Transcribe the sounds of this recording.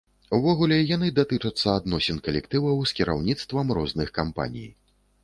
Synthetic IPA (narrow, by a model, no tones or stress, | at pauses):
uvɔɣulʲɛjanɨd̪at̪ɨt͡ʂɐt̪sːɐad̪nɔsʲɛnkɐlʲɛkt̪ɨvɐwskʲiɾa̰wnʲit̪st̪vɐmɾɔznɨxkampa̰nʲḭj